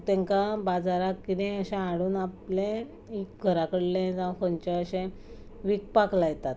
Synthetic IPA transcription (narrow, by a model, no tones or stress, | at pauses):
t̪ɛ̃ŋkabad͡zaɾakkid̪ĩəɕẽaɽuːnaplẽ | ikɡʱəɾakəɽlẽd͡zãkəɲt͡ɕẽəɕẽ | ʋik̚paklajt̪at̪